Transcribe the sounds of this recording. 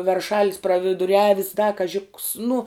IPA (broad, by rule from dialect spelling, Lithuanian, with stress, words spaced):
ʋʲɛrˈʃɑːlʲɪs prɐʋʲɪdʊˈrʲæːʋʲɪs dɐ kɐˈʒʲɪ ks nʊ